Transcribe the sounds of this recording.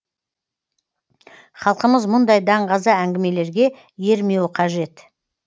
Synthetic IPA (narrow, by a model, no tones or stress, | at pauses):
χɑlˠqəməzmʊnd̪ɑjd̪ɑɴʁɑzəæŋɡʲɪme̞le̞ɾɡʲe̞ | je̞ɾme̞wqʰɑʒe̞t̪